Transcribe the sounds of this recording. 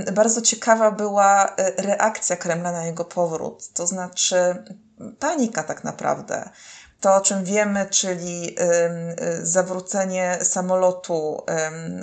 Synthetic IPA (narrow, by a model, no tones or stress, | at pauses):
baɾd̪zɔt͡ɕɛkavabɘwaɾɛʔakt̪sʲjakɾɛmlanajɛɡɔpʰɔvɾṵt̪ːɔznat͡ʂɘ | paɲikat̪akna̰pɾa̰vd̪ɛ̰t̪ɔɔt͡ʂɛmvʲjɛmɘt͡ʂɘlʲi | zavɾut̪sɛɲɛsamɔlɔt̪ʰu